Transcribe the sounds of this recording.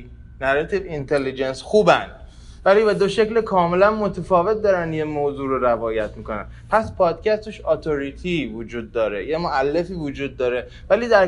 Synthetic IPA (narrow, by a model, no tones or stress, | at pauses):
næɾat̪ʰivint̪ʰelːid͡ʒensxuːbænd̪ | væliːbed̪o̞ʃe̞clekʰɒːme̞lænmot̪ʰefɒːve̞t̪̚d̪ɒːɾænd̪jemoːzuːɾoɾævɒːjæt̪miːko̞næ̰n | pʰæspʰɒːd̪̚cʰæst̪eʃɒt̪ʰo̞ɾit̪ʰivod͡ʒuːd̪ːɒːɾejemoælːe̞fiːvod͡ʒuːd̪̚ːɒːɾe | væliːd̪æɾ